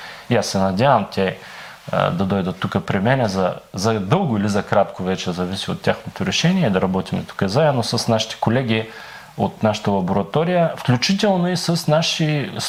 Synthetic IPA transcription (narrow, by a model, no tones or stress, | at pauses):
iasːɛnɐd̪ʲavəmt̪ʲɛ̰ | d̪ɐd̪ɔjd̪ət̪ːukəpɾimɛnɛzɐzɐd̪ɤlˠɡʊilizɐkɾat̪kovɛt͡ʃɛzɐvisio̰t̪ːʲjaxnot̪oɾɛʃɛniɛid̪ɐɾɐbɔt̪imɛ̰t̪u̥kəzaɛnosəsnaʃi̥t̪ɛ̥kolɛɡ̟ʲi | ot̪naʃə̥t̪əlˠɐboɾɐt̪ɔɾijəfklʲut͡ʃit̪ɛlˠnoisəsnaʃi